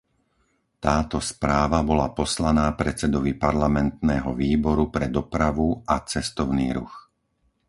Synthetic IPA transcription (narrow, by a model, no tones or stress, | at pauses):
t̪aːt̪ɔspɾaːʋabɔlapɔslanaːpɾɛt͡sɛd̪ɔʋipaɾlamɛnt̪̚nɛːɦɔʋiːbɔɾupɾɛd̪ɔpɾaʋuat͡sɛst̪ɔʊniːɾṵx